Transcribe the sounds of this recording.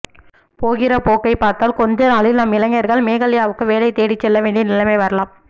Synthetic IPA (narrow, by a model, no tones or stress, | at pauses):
poːɣɪrɐpoːkːɐɪpaːɾt̪aːlkɔnd͡ʒɐnaːlɪlnɐmːɪlɐŋːɐɾɣɐɭmeːɣɐɭɪjaːʋɯkːɯʋeːlɐɪt̪eːɽɪt͡ʃːɛlːɐʋeːɳɖinɪlɐmeɪʋɐɾɐlaːm